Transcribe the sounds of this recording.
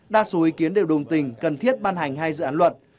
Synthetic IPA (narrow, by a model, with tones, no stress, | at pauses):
ɗaː˧so˨˦ʔi˨˦ki˨˦ənɗe˨˩wɗə˨˩wŋ͡mt̪ï˨˩ŋ̟kə˨˩nt̪ʰi˦˥ət̚ɓaː˧nɦa˨˩jŋ̟ɦaː˧jzɨ̰˧˨aː˨˦nlwə˨˩t̚